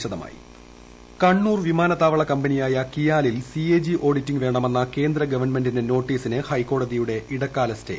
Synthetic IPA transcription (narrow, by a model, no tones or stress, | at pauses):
ɕɐðɐma̰ːjḭ | kɐɳːuːrʋimaːnɐt̪ːaːʋɐɭɐkɐmbɐnijaːjɐkijaːlilsieːd͡ʑiʔo̞ːɽitːiŋɡʋe̞ːɳɐme̞nːɐke̞ːnd̪ɾɐɡɐʋɐrnme̞ndineno̞ːʈːiːsinɨhɐjkːo̞ːɽɐðijuɽe̞ʔiɽɐkːaːlɐstḛ